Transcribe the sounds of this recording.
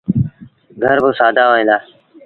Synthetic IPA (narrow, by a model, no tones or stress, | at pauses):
ɡʱəɾbəsaːd̪ʱaːɦoːẽːd̪aː